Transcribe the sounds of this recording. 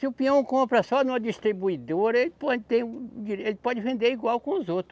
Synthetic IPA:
sɪʊpiɐ̃w̃kõpɾɐsɔnũmɐd͡ʒist̪ɾibuid̪oɾɐelɪpɔd͡ʒɪt̪ẽj̃uiɾelɪpɔd͡ʒɪvẽnd̪eɾiɡwawkõʊzowt̪ɾʊ

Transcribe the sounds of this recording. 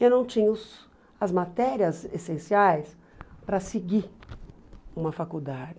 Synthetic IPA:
ewnɐ̃w̃t͡ʃĩɲɐʊs | ɐzmat̪ɛɾiɐzesẽsiajs | pɾɐseɡi | ũmɐfakud̪ad͡ʒɪ

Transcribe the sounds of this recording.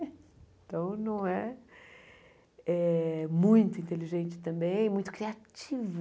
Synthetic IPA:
ẽt̪ɐ̃w̃nɐ̃w̃ɛ | ɛmũj̃t̪ʊĩt̪eliʒẽnt͡ʃɪ̥t̪ɐ̃mbẽj̃ɛmũj̃t̪ʊ̥kɾiat͡ʃiv

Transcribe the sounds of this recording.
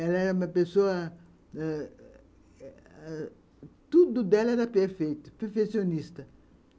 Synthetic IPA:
ɛlɐɛɾɐumɐpesoɐ | t̪ud̪ʊd̪ɛlɐɛɾɐpeɾfejt̪ʊ̥peɾfesionist̪ɐ

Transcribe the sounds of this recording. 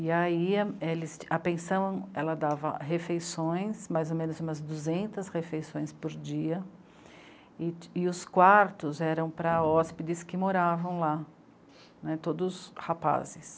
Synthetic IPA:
ɪaielɪst͡ʃapẽsɐ̃ɐ̃ɛlɐd̪avɐ̰ɦefejsõj̃smajzomẽnʊzũmɐzd̪uzẽnt̪ɐshefejsõj̃spoɾd͡ʒiɐ | ɪɪʊskwaɾt̪ʊzɛɾɐ̃w̃pɾɐɔspɪd̪ɪskɪmoɾavɐ̃w̃la | nɛt̪od̪ʊshapa̰zɪs

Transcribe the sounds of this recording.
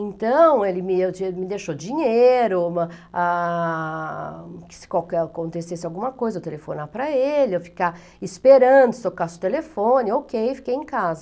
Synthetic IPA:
ẽnt̪ɐ̃w̃elɪmɪewt͡ʃmɪd̪eʃod͡ʒĩɲeeɾʊa | kɪ̥sɪ̥kawkɛkõnt̪esesɪawɡũmɐkojzɐewt̪elefo̰naɾpɾɐelɪewfi̥ka | ispeɾɐ̃d̪ʊt̪okasɪʊt̪elefõnɪokejfi̥kejẽkazɐ

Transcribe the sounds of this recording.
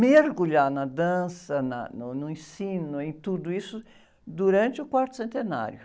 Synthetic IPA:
meɾɡuʎanɐd̪ɐ̃sɐnɐ̰nʊnʊẽsĩnʊẽj̃t̪ud̪ʊisʊ | d̪uɾɐ̃nt͡ʃɪʊkwaɾt̪ʊ̥sẽnt̪ena̰ɾjʊ

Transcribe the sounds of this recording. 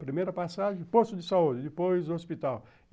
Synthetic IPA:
pɾimejɾɐpasaʒẽj̃post̪ʊd̪ɪsaud͡ʒɪd̪ɪpojzʊospit̪aw

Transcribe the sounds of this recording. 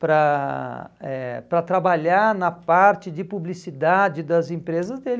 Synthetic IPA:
pɾɐ | ɛpɾɐt̪ɾabaʎaɾnɐpaɾt͡ʃɪd͡ʒɪpublisid̪ad͡ʒɪd̪ɐzẽpɾezɐzd̪el

